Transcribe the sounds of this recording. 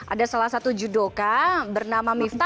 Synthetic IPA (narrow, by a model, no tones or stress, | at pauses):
ʔa̰dasalahsat̪ud͡ʒudokabərnamamift̪a